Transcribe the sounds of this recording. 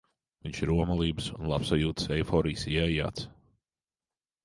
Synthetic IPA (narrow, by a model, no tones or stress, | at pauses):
viɲʃiɾuɔmalˠiːbsunlˠapsajuːt̪sɛjfɔːɾiːsiaja̰ːt̪s